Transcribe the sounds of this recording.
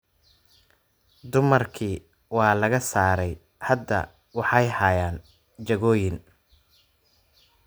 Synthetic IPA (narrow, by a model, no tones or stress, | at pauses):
d̪ʊmɐrkʰiː | wɑːlɐɣɐsaːɾɛj | hɐd̪ːɐ̰ | wɑħɑjhaːjaːn | t͡ʃɐɣɔːjɪn